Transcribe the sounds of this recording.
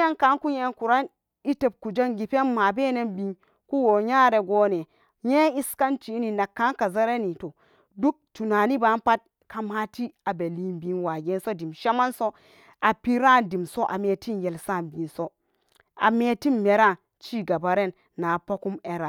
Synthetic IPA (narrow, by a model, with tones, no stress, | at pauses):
a˦nka˦nku˦je˦nku˨ɾa˦n | i˦te˨b̚ku˨d͡ʒa˦nɡi˨pe˦nma˨be˦ne˦nbi˨n | ku˦wo˨ɲaː˦ɾe˨ɡoː˦ne˨ | je˦i˦ska˦nt͡ʃi˦ni˨na˨kːa˦nka˨za˦ɾe˦ni˨to˨ | du˦k̚tu˨na˨ni˦ba˨˦npa˦t̚ | ka˨ma˦ti˦a˨be˨li˦nbi˨˦nwa˨ɡe˦nso˦di˨mʃa˦ma˦nso˦ | a˨pi˦ɾa˦˨ndi˨mso˦ʔa̰˨me˨ti˦nje˨lsa˦˨nbi˨nso˦ | a̰˨me˨ti˦nme˨ɾa˦˨ | t͡ʃi˦ɡa˨ba˨ɾe˦˨nːa˨po˦ku˦me˨ɾa˨